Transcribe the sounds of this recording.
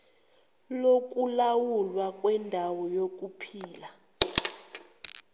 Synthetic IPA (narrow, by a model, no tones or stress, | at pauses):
lok̬ʼulawulwakʼwɛndʱawɔjok̬ʼupʰiːla